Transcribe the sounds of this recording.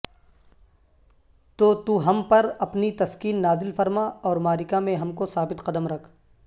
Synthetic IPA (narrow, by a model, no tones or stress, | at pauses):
t̪oːt̪uːɦɐmpɐɾɐpnit̪ɐskiːnːaːzɪlfɐɾmaɔːɾmaːɾɪkamẽɦɐmkosaːbɪt̪qɐd̪əmɾɐkʰ